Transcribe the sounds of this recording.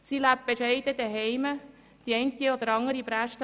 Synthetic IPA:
silæp̚b̥eʃɛɪd̥̪əd̪ɛɦɛɪmə | d̥iɛɪnt̪iod̪əɾɑŋəɾibɾæʃt

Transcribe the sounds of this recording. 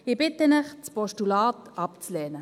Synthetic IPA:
ɪbɪtənɪχt͡spɔʃtulɑːt̪ɑpt͡slɛːnə

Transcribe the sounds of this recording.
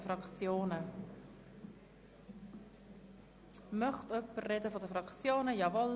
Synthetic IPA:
əfrɾɑkt͡sjoːnə | mœχtœpːərrɛdəfɔdəfɾɑkt͡sjoːnəjɑvɔl

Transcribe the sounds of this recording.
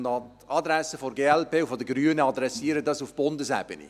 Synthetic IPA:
nɑt | ɑd̪ɾɛsəfoɾɡeːɛlpeːufodəɡɾyːənəɑd̪ɾɛsiːəɾədɑsufb̥ʊndəsɛ̰b̥ənḭ

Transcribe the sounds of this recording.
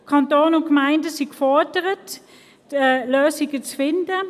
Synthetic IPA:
kʰɑntoːnʊnkmaɪndəsikfɔɐdəʁət | ɛløːsɪɡət͡sfɪndə

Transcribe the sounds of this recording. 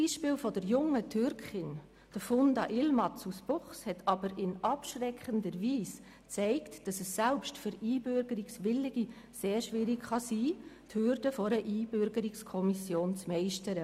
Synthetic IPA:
iːʃpɪːlfɔdəɾjʊŋətʰʏɾkχɪn | d̥əfʊndɑʔɪlmɑtt͡susb̥ʊχshɛtʰɑbəɾɪnɑpʃrɛkχəndəɾviːs | t͡sɛɪktd̥ɑsɛsːɛlpʃtfʏɾiːbʏɾɡəɾɪksʋɪlːɪɡ̥i | seːɾʃʋɪɾɪkχɑsiːthʏɾd̥əfɔɾəʔiːbʏɾɡəɾɪkskʰɔmisjoːnt͡smɛɪʃtəɾə

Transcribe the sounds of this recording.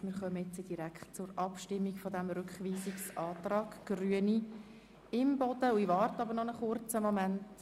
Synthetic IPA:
mɪɾχœməɪt͡səd̥iɾækχtt͡sʊɾɑpʃtɪmːikfɔdæmɾʉkχʋiːsiksɑːtrɑːɡ̥ɡ̥ryəni | ɪmbɔd̥̪əuiʋɑːrtɑbəɾnɔnəχʊrt͡səmɔmænt

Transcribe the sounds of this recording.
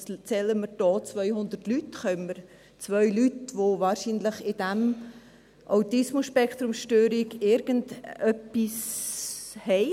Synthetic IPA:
t͡sɛləməɾd̥ɔːt͡svœʏhʊnd̪ətlytχœməɾ | t͡svœʏlytʋovaːɾʃiːnləχɪd̥ɛm | ʔaʊtɪsmusʃpɛkt̪ɾʊmʃtøːɾiɡɪɾɡ̥əndœpːis | hɛɪ

